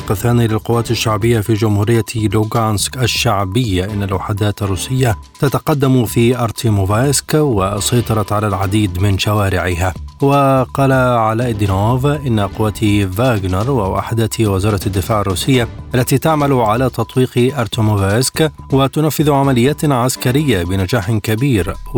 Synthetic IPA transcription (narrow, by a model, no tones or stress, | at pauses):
qɑθːaːnilɪlqʊwːaːt̪aʃːaʕbɪjːafid͡ʒʊmhuːɾɪjːaluɡanskʔaʃːaʕbɪjːaʔɪnːalwaħad̪aːt̪arːuːsɪjːa | t̪at̪aqɑd̪ːamfiʔɑɾˤt̪ʰimovaskwɪsɑjt̪ˤɑɾˤɑt̪ʕalalʕad̪iːd̪mɪnʃawaːɾɪʕɪɦawɪqɑːlaʕalaːʔɪd̪ɪnoːvʔɪnːaqʊwːat̪vaːɡnɑɾˤwawʔa̰ħd̪aːt̪wɪzɑːɾˤɑt̪ad̪ːɪfaːʕarˤːuːsɪjːaʔalːat̪iːt̪aʕmalʊʕalaːt̪ɑt̪ˤwiːqʔɑɾˤt̪omovaskwɪt̪ʊnafːɪðʊʕamalɪjːaːt̪ʕaskaɾɪjːabɪnad͡ʒaːħɪkabiːɾ